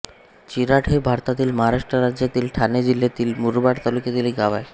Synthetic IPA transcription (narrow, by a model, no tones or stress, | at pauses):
t͡ɕiɾaʈʰebʱaɾt̪ad̪ilmaɾaʃʈoɾad͡ʑet̪ilʈʰaned͡ʑilːet̪ilmuɾbaɽt̪ɔluked̪iliɡabae